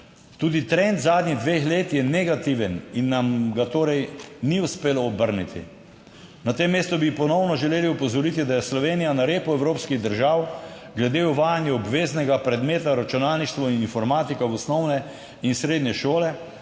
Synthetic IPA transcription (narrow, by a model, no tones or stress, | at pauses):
t̪uːd̪it̪ɾɛnt̪zaːd̪niɣd̪ʋeːxleːt̪jɛnɛɡat̪iʋəninːamɡat̪oːɾɛjniuspeːlɔːbəɾnit̪ʰḭ | nat̪emːeːst̪ubipɔnɔwnɔʒɛleːliɔpɔzɔɾit̪id̪ajɛslɔʋeːnijanaɾeːpuɛwɾoːpskiɣd̪əɾʒaːwɡlɛd̪euʋaːjanjɛɔbʋeːznɛɡapɾɛd̪meːt̪aɾat͡ʃunaːlniʃt̪ʋɔininfɔɾmaːt̪ikawɔsnɔwnɛ | insɾeːd̪nʲɛʃoːlɛ